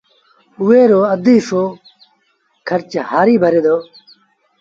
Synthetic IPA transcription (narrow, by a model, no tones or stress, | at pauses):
ʊʋeːɾoːəd̪iːfoː | kʰəɾt͡ʃhaːɾiːbʱəɾeːd̪oː